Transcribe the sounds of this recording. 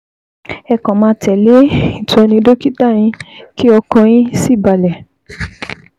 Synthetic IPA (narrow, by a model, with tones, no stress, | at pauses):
ɛ˧kɔ̃˨mãː˧tɛ˨le˨˦ĩ˦˨tɔ˨˧˦nĩ˧˦do˦ki˦ta˦˨j̃ĩ˦ki˦ɔ˧kɔ̃˧j̃ĩ˦si˦˨ba˨lɛ˨